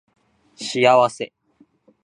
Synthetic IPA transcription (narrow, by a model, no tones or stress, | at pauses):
ɕiaβase̞